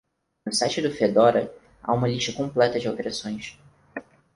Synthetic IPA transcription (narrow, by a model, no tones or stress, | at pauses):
nʊsajt͡ʃɪd̪ʊfed̪ɔɾɐ | a̰ũmɐliʃt̪ɐkõmplɛt̪ɐd͡ʒɪawt̪eɾasõj̃s